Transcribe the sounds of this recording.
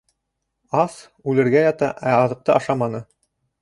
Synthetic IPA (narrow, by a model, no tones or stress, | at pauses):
ɑs | ʉlɘ̆ɾɡæjɑt̪ɑʔæɑðɤ̆q̚t̪ɤʔɑʃɑmɑnɤ